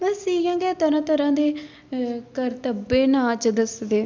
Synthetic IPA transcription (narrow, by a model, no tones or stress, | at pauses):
mɛ̃siːɡãːɡɛːt̪əɾãːt̪əɾãːd̪eː | kəɾt̪əbeːnãːt͡ʃd̪əsd̪eː